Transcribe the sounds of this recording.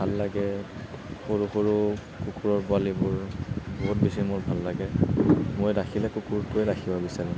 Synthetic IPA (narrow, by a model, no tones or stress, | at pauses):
bʱalːaɡɛ | xoɹuxoɹu | kukuɹɔɹpʊalibʊɹboɦut̚bisimʊɹbʱalːaɡɛmojɹakʰilɛkukuɹtʊɛɹakʰibabisaɹi